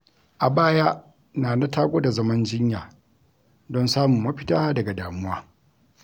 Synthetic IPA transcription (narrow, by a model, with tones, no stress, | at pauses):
ʔa˨baː˦ja˦ | naː˨na˦tʰaː˦ɡʷo˦da˨zɐ˦mɐ˦nd͡ʒɪ˦ɲjaː˨ | dɔ˦nsaː˦mʊ˨mːɐ˦ɸɪ̥˦taː˦dɐ˨ɡa˨daː˨mʊ˦waː˦